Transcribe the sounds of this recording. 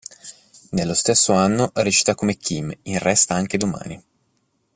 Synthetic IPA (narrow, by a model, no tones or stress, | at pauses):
nelːost̪esːoanːoʔɾet͡ʃi̥t̪akːomekːiminrɛst̪aaŋk̟ed̪oma̰ːni